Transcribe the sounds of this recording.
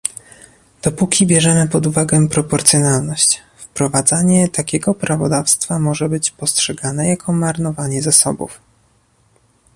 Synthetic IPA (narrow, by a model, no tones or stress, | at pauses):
d̪̥ɔpukʲibʲjɛʐɛmɘpɔd̪uvaɡɛpɾɔpɔɾt̪sjɔnalnɔɕt͡ɕ | fpɾɔvad̪zaɲɛt̪akʲɛɡɔpɾavɔ̰d̪afst̪famɔʐɛbɘt͡ɕpɔstʂɛɡanɛjakʰɔmaɾnɔvaɲɛzasɔ̰bṵf